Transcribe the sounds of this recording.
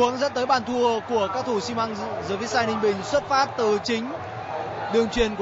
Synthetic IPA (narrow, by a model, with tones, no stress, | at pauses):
əŋzə˦˥t̚t̪əː˨˦jɓaː˧˩nt̪ʰu˧əku˧˩əkaː˦˥k̚t̪ʰo˧˩si˧ma˧ŋzəː˧˩vi˦˥t̚saː˧nï˧ŋ̟ɓï˨˩ŋ̟swə˦˥t̚faː˦˥p̚t̪ɨ˨˩t͡ɕï˨˦ŋ̟ | ɗɨ˨˩əŋt͡ɕwi˨˩ənk